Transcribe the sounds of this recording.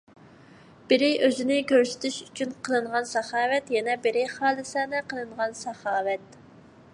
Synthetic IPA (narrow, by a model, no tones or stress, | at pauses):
b̥ɪɾɪʔøzɪnɪkʲʰøɾsɪ̥t̪ʰyʃy̥t͡ʃʰynqʰəlˠɨɴʁɑnsɛχɑːwɛt̪jɛnɛbɪɾɪχɑːlˠɨsɛːnɛqʰəlˠɨɴʁɑnsɑχɑːwɛt̪̚